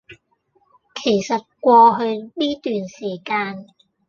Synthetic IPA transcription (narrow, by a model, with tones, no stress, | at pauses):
kʰe˨˩jsɐ˨˩t̚kʷɔː˧ɦɵ˧ɥniː˥t̪yː˨nsiː˨˩kaː˧n